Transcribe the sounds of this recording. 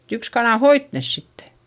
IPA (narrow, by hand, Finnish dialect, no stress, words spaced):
yks kɑnɑˑ hoit nes sitːe